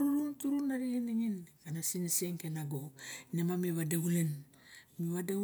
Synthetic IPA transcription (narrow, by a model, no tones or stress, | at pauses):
ɾuluŋtuɾunaɾiɡiniŋinkanasinisieŋkenaɡonemamiβadaulen | miβade